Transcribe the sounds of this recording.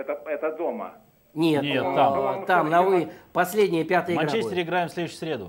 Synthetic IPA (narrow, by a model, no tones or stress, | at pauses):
ɛt̪əɛt̪əd̪omə̰ | nʲetnʲet̪ːat̪amnɐvɨpɐsʲlʲedʲnʲɪjəpʲat̪ɨjɪɐɡɾat͡ɕesʲɪɾʲɪɡɾajɪmsʲlʲed̪ʊɕʊ̥sʲɾʲed̪ʊ̰